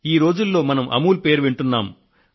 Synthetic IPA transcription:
iːɾo̞ːd͡ʒulːo̞ːmɐnɐmʔɐ̰muːlpe̞ːɾʋiɳʈunːaːm

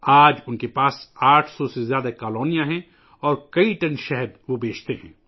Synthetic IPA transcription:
aːd͡ʒʊnkepaːsaːʈʰsɔsezjaːd̪akaːloːnijãɦɛ̃ | ɔːɾkɐiʈɐnʃɛɦəɾʋobeːt͡ʃʰt̪eɦɛ̰̃ː

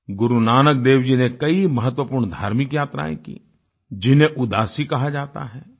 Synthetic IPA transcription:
ɡʊɾunaːnək̚d̪eːʋd͡ʒinekɐimɐɦət̪wəpʊːɾɳd̪ʱaːɾmɪkjaːt̪ɾa̰ːḛ̃kḭ | d͡ʒɪnẽʔʊd̪aːsikɐɦad͡ʒaːt̪a̰ɦɛː

